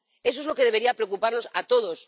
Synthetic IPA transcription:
e̞s̬oezlo̞ke̞ðeβeɾiapɾeokupaɾno̞sat̪oðos

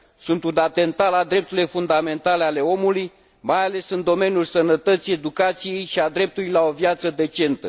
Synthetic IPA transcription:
sunt̪unat̪e̞nt̪alad̪ɾe̞p̚t̪uɾilefund̪ame̞nt̪ale̞ale̞o̞muluj | majale̞sɨnd̪o̞me̞njulʲsənət̪ət̪sije̞d̪ukat̪sije̞jʃiad̪ɾe̞p̚t̪ulujlao̞vjat̪səd̪e̞t͡ʃe̞nt̪ə

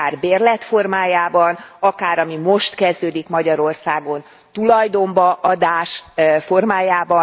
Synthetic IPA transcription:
aːrbeːrlɛt̪fo̞rmaːjaːbɒnɒkaːɾɒmimo̞ʃt̪kɛzd̪øːd̪ikmɒɟɒɾo̞rsaːɡo̞n | t̪ulɒjd̪o̞mbɒʔɒd̪aːʃfo̞rmaːjaːbɒ

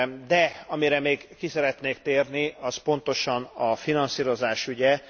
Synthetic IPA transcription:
d̪ɛɒmiɾɛmeːɡkisɛɾɛt̪neːkt̪eːrniɒspo̞n̪t̪o̞ʃɒnɒfinɒnsiːɾo̞zaːʃyɟɛ

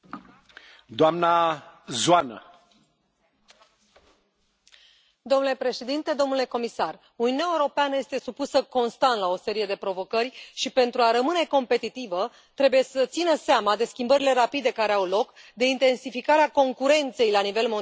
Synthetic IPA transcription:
d̪oamnazuanə̰ | d̪omnule̞pɾe̞ʃe̞d̪int̪e̞d̪o̞mnule̞ko̞misar | uniuneaewuɾo̞peanəje̞st̪e̞supusəko̞nst̪ant̪lao̞se̞ɾije̞d̪e̞pɾo̞vo̞kəɾʲʃipe̞nt̪ɾuaɾəmɨne̞ko̞mpe̞t̪it̪ivə | t̪ɾe̞buje̞sət̪sinəseamad̪e̞skʲimbəɾile̞ɾapid̪e̞kaɾeawlo̞kd̪e̞int̪e̞nsifikaɾeako̞ŋkuɾe̞nt̪se̞jlanive̞lmo

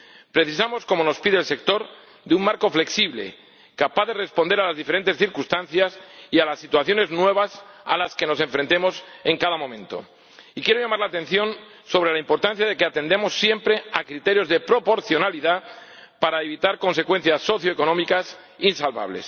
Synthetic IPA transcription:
pɾe̞θisamo̞sko̞mo̞no̞spiðelse̞k̚t̪o̞ɾ | d̪eumːaɾko̞fle̞ksiβlḛ | kapaðe̞re̞spo̞nd̪e̞ɾalazðife̞ɾe̞nt̪e̞sθiɾkust̪anθjasialasːit̪waθjo̞ne̞znwe̞β̞asa̰laske̞no̞se̞ɱfɾe̞nt̪e̞mo̞se̞ŋkaðamõ̞mẽ̞nt̪o̞̰ | ikje̞ɾoʝamaɾlaːt̪ẽ̞n̟θjo̞n | so̞β̞ɾe̞laĩmpo̞ɾt̪anθjaðe̞keat̪e̞nd̪emo̞sːje̞mpɾe̞akɾit̪e̞ɾjo̞zðe̞pɾo̞po̞ɾθjo̞naliðapaɾaeβ̞it̪aɾko̞nse̞kwe̞n̟θjasːo̞θjoeko̞nõ̞mikas | insalβa̰β̞le̞̰s

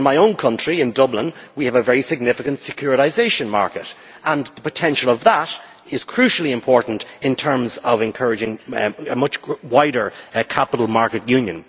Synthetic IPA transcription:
ɪ̃nmaɪõʊ̃nkʰʌ̃nt͡ʃɹ̥iɪ̃ndʌblɪ̃nwiɨvəvɛɹisɪɡ̚nɪfɪkə̃ntsɪkʰj̥ʊɹɪɾaɪzeɪʃə̃nma̰ɹkɨɾ | ə̃nðəpətʰɛ̃nʃəlˠʌvðəɾ | ɪz̥kʰɹ̥ʉʃl̩ˠiɨ̃mpʰɔɹʔn̩tɪ̃ntʰɜ̃˞mzʌvɨ̃nkʰɜɹɨd͡ʒɪ̃ŋmʌt͡ʃwaɪɾə˞kʰapəɾəl̩ˠmaɹkɨtjʉ̃njə̰̃n

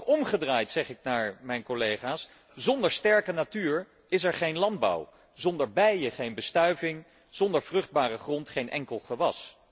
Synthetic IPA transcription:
ɔmχədraːjtsɛχɪk̚naːɹmɛjnkɔlejχaːs | zɔndəɹstɛɹkənatyːɹ | ɪs̬ɛɹχejnlɑnd̚bɑ̰w | zɔndəɹbɛjəχejnbəstœɥvɪŋ | z̥ɔndəɹvrɵχd̚baːrəχrɔntχejnʔɛ̰ŋkəlˠχəʋɑs

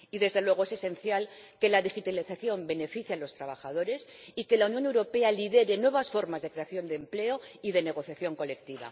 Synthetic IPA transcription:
iðe̞zðe̞lwe̞ɣ̞oe̞se̞se̞nθjalke̞laðixit̪aliθaθjo̞mbe̞ne̞fiθjalo̞st̪ɾaβaxaðoɾe̞sike̞launjone̞wɾo̞pe̞aliðe̞ɾe̞nwe̞βasfo̞ɾmazðe̞kɾe̞aθjo̞nd̪emple̞o̞iðe̞ne̞ɣ̞o̞θjaθjo̞ŋko̞le̞kt̪iβa̰

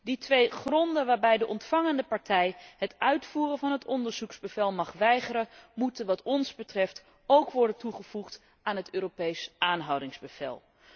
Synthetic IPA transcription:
ditʋejχrɔndəʋaːɹbɛjdəʔɔntfɑŋəndəpɑɹtɛjɦətœɥtfuːrənvɑnɦətɔndəɹz̥ukzbəvɛlˠmɑχʋɛjχərənmutənʋɑtɔnzbətrɛft | owkʋɔɹdəntuχəv̥uχt | aːnɦətøːropejsʔaːnɦɑwdɪŋzbəv̥ɛ̰lˠ

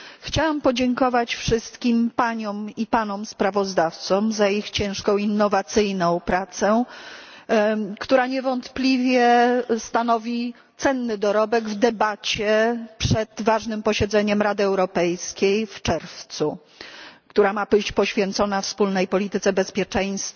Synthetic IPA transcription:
xt͡ɕawampɔd͡ʑɛŋkɔvat͡ɕfʂɘst̪kʲimpaɲɔmipanɔmspɾavɔzd̪aft̪sɔmzaixt͡ɕɛ̃w̃ʂkɔ̃w̃inːɔvat̪sɘjnɔ̃w̃pɾat̪sɛ | kt̪uɾaɲɛvɔnt̪plʲivʲjɛst̪anɔvʲi | t̪sɛnːɘd̪ɔɾɔbɛɡvd̪ɛbat͡ɕɛpʂɛd̪vaʐnɘmpɔɕɛd̪zɛɲɛmɾad̪ɘɛwɾɔpɛjskʲejft͡ʂɛɾft̪su | kt̪uɾamabɘt͡ɕpɔɕfʲjɛnt̪sɔnafspulnɛjpɔlʲit̪ɘt̪sɛbɛspʲjɛt͡ʂɛj̃st̪f

